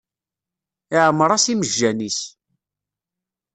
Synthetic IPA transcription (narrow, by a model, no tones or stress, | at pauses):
ɪʕəmɾˤɑsiməʒːænis